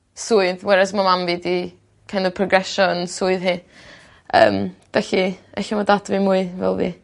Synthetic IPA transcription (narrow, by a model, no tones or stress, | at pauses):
suːɨðwɛɾasmamamvidi | kʰanɔpʰrɔɡrɛʃɔənsuːɨðhiː | ə̰ːmv̥ɛɬiɛɬimadadvɨmuːɨvɛ̰lˠvḭː